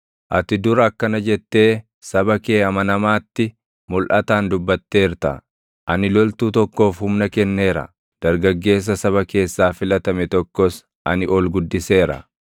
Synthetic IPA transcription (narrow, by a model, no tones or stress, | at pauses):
ʔɐt̪ɪd̪ʊɾɐːkːɐnɐd͡ʒɛt̪ːe̞ː | sɐbɐke̞ːɐmɐnɐmaːt̪ːɪ | mʊlʔɐt̪aːnd̪ʊbːɐt̪ːe̞ːɾt̪ɐ̰ | ʔɐnɪlɔlt̪uːt̪ɔkːo̞ːfhʊmnɐkɛnːe̞ːɾɐ̰ | d̪̥ɐɾɡɐɡːe̞ːs̬ːɐsɐβɐke̞ːsːaːfɪlɐt̪ɐmɛt̪ɔkːɔs | ʔɐ̰nɪʔoːlɡʊd̪ːɪse̞ːɾɐ̰